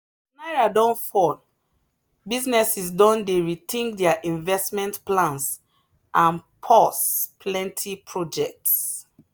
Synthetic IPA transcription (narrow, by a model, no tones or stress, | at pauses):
naɪɹadɔ̃nfɔd | biznɛsisdɔ̃ndeɹitʰĩŋɡdɛaʔĩnvɛstmɛ̃ntplãns | ʔãnpʰɔspʰlɛ̃ntʰipʰɹɔd͡ʒɛk̚ts